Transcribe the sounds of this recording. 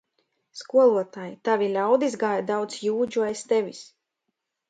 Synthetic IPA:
skuɔlˠuɔt̪aːjit̪avʲilʲawd̪izɡaːjad̪awt̪sjuːd͡ʒuaest̪ɛvʲis

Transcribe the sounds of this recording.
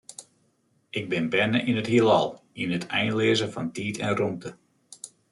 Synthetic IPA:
ɪɡ̚bɪnbɛnəʔinəthilɑ̰lˠ | inətʰɛjnlɪəzəfɑntiːtʰɛnrumtə

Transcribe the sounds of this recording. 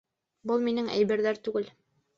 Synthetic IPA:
bɤlˠminɘŋæ̰jbɘ̆ɾðæɾt̪ʉɡɘl

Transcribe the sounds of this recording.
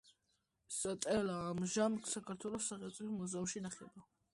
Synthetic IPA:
sat̪ʼɛlaːmʒamkʰsakʰaɾt̪ʰwɛlɔsːaʁɛsʼimɔzɛmʃinaχɛ̰ba

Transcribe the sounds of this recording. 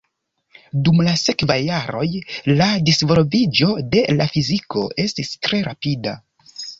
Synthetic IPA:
dumlase̞kvajːaɾo̞jladisvolovid͡ʒo̞de̞lafiziko̞̰ʔe̞stistɾe̞ɾapida̰

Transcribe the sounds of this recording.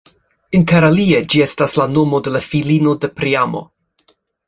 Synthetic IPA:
inteɾalied͡ʒie̞staslano̞mo̞de̞lafilinode̞pɾiamo̰

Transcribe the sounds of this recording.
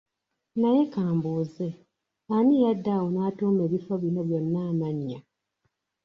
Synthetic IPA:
naje̞kaːmbuːze̞ | anijadːawonaːtuːme̞ːβifoβjinoβjonːaːmaɲːa

